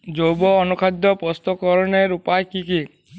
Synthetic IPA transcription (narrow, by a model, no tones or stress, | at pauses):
d͡ʒowbɔɔnukʰad̪jɔpɔst̪ɔkɔɾɔneɾupajkiki